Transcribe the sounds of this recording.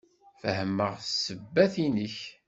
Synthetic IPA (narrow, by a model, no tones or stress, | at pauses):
fəhəmːəʁsəbːæθinəç